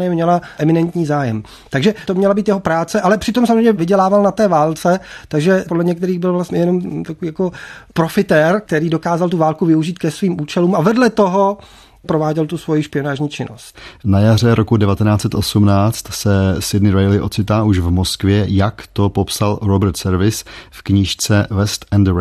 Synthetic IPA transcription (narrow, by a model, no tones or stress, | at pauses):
ajɛmɲɛlaʔɛmɪnɛnt̪ɲiːzaːjɛm | t̪aɡʒɛt̪omɲɛlabiːt̪jɛɦo̞pɾaːt͡sɛʔalɛpr̝̥ɪt̪o̞msamozreɛɲɛɛvɪɟɛlaːvalnat̪ɛːvaːlt͡sɛt̪aɡʒɛpodlɛɲɛkt̪ɛɾiːɣbɪlvlast̪ɲɛjɛno̞mt̪akoviːjako̞pɾo̞fɪt̪ɛɾk̚t̪ɛɾiːdo̞kaːzalt̪uvaːlkuvɪuʒiːt̪̚kɛsviːmʔuːt͡ʃɛluːmavɛdlɛt̪o̞ɦo̞ | pɾovaːɟɛlt̪usvo̞jɪʃpɪo̞naːʒɲiːt͡ʃɪnost̪najar̝ɛɾʔokudɛvat̪ɛnaːt͡sɛt̪ʔosumnaːt͡st̪sɛsɪdnɪɾajlɪʔot͡sɪt̪aːʔuʃvmoskvjɛjakt̪o̞popsalɾobɛɾt̪sɛɾvɪsfkɲiʃt͡sɛvɛst̪ɛnd̪ɾ